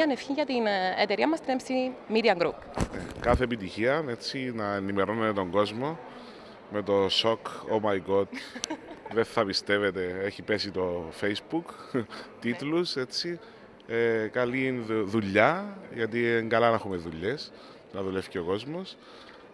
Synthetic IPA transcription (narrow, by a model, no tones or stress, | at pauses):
ɐnefçinʝɐt̪inet̪eɾiɐmɐst̪inemsimiɾiɐŋɡɾupnekɐθeːpit̪içiɐe̞t͡sːinɐenimeɾonet̪et̪o̞ŋɡo̞zmo̞ | me̞t̪o̞so̞komɐjɡot̪ | ðenθɐpist̪e̞vet̪e̞eçipe̞sit̪o̞fejsbukt̪it̪luse̞t͡sːi | ekɐliðuʎːɐʝɐt̪ieŋɡɐlɐnɐxumeðuʎːe̞s | nɐðule̞fceoko̞zmos